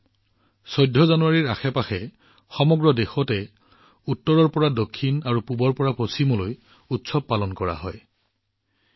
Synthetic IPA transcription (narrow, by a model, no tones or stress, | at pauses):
sojdʱːɔzanuwaɹiɹa̰xɛpaxɛ | xɔmɔɡɹɔdexɔtɛ | utːɔɹɔɹpɔɹadokʰːinaɹupubɔɹpɔɹapɹosimɔloj | utsɔb̚palɔnkɔɹa̰ɦɔ̰j